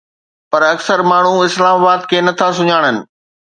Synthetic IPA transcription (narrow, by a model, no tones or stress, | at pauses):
pɐɾɐksəɾmaːɳ̤̃uɪslaːmabaːd̪kʰeːnɐt̪ʰas̬ʊɲaːɽ̃ənɪ̆